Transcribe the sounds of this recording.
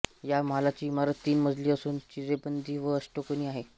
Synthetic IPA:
jamɦalat͡ɕiːmaɾət̪ːiːnməd͡zʱliːəsuːnt͡ɕiɾebənd̪iːʋəəsʈokəniːaɦe

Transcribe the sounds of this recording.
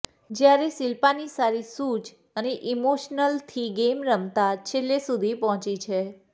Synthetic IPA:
d͡ʒjaɾesɪlpanisaɾisut͡ʃ | əneʔimoʃnəlt̪ʰiɡemɾəmt̪at͡ʃʰelːesud̪ʱipɔɦt͡ʃit͡ʃʰe

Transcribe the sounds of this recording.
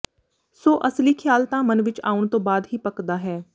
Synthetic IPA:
soːʔəsliːkʰjaːlt̪ãːmənʋɪt͡ʃa̰ːʊɳ̃t̪õːbaːd̪ɦiːpəkd̪aːɦɛː

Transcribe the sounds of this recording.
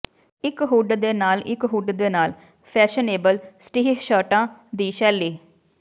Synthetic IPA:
ɪkɦuːɖd̪eːnaːlɪkɦuːɖd̪eːnaːl | pʰɛːʃəneːbəlsʈiːɦʃaːʈãːd̪iːʃɛːliː

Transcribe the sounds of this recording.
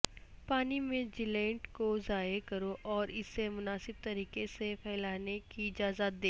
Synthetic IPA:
paːnimẽd͡ʒɪlɛ̃ːɳʈkozaːekɐɾoʔɔːɾɪsːemʊnaːsɪb̚t̪ɐɾiːkesepʰɛːlaːnekiɪd͡ʒaːzət̪̚d̪eː

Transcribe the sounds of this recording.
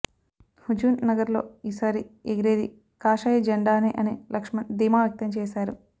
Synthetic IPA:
hud͡ʒuːnnɐɡɐɾlo̞̰ːiːsaːɾieɡiɾeːd̪i | kaːʃɐjɐd͡ʒɐɳɖaːneːʔɐneːlɐkʂmɐd̪iːmaːʋjɐk̚t̪ɐmt͡ʃɛːʃaːɾu

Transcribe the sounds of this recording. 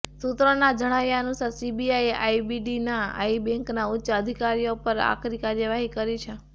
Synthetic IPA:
sut̪ɾənad͡ʒəɽ̃aʋjanusasibiajeʔaibiɖinaa̰ibẽŋknaʊtːʃəəd̪ʱikaɾijopəɾa̰kɾikaɾjəʋaɦikəɾit͡ʃʰe

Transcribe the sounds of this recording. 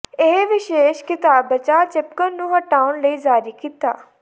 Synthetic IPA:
ɪɦʋɪʃeːʃkɪt̪aːbːɐt͡ʃaːt͡ʃɪpkənnũːɦɐʈaːʊnləiːzaːɾikit̪a̰ː

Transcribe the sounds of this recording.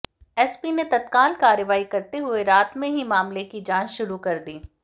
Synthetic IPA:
ɛːspinet̪ɐt̪kaːlkaːɾəʋaːikɐɾt̪eɦʊeɾaːt̪mẽɦimaːmlekid͡ʒãːt͡ʃʃʊɾukɐɾd̪iː

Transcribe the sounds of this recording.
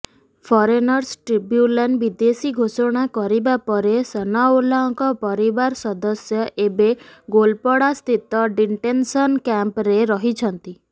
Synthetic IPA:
pʰɔɾenɔɾsʈɾibjulanɖbid̪esiɡʱosɔɽ̃akɔɾibapɔɾesɔnaolaɔŋkɔpɔɾibaɾsɔd̪ɔsjɔʔebeɡolpɔɽast̪ʰit̪ɔɖiɳʈensɔnkampɾeɾɔɦit͡ʃʰɔnt̪i

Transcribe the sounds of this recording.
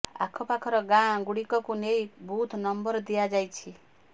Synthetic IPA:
a̰kʰɔpakʰɔɾɔɡãɡuɽikɔkunejbut̪ʰnɔmbɔɾd̪iad͡ʒajt͡ʃʰi

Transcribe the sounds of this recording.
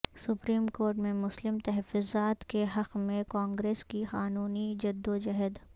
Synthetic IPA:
sʊpɾiːmkoːɾʈmẽmʊslɪmt̪ɐɦfʊzaːt̪keɦɐqmẽkãːŋɡɾeːskixaːnuːnid͡ʒɐd̪ːod͡ʒɐɦəd̪

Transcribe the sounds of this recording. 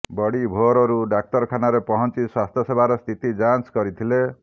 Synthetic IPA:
bɔɽibʱoɾɔɾuɖak̚ʈɔɾkʰanaɾepɔɦɔnt͡ʃiswast̪ʰjɔsebʱaɾɔst̪ʰit̪id͡ʒanskɔɾit̪ʰile

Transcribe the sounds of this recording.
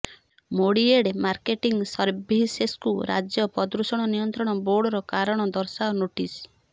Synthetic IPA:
moɽieɽemaɾkeʈiŋɡsɔɾbiseskuɾa̰d͡ʒjɔpɔd̪ɾusɔɽ̃ɔnijɔnt̪ɾɔɽ̃ɔboɾɽɔɾɔkaɾɔɽ̃ɔd̪ɔɾsaɔnoʈis

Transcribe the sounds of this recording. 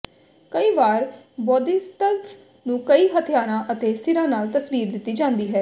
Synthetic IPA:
kəiːʋaːɾbɔːd̪iːst̪əlt̪ʰ | nũːkəiːɦət̪ʰɪjaːɾãːʔət̪eːsɪɾãːnaːlt̪əsʋiːɾd̪ɪt̪ːiːd͡ʒãːnd̪iːɦɛː

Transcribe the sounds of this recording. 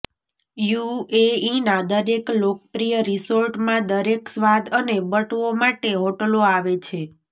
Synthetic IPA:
jueinad̪əɾeklok̚əpɾijəɾisoɾʈmãd̪əɾeksʋad̪ənebəʈʋomaʈeɦoʈəloaʋet͡ʃʰe

